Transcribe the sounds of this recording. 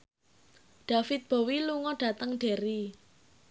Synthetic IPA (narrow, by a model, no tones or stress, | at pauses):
ɖ̥a̤fɪt̪̚b̥o̤wiluŋɔɖ̥ä̤t̪əŋɖ̥e̤ɾi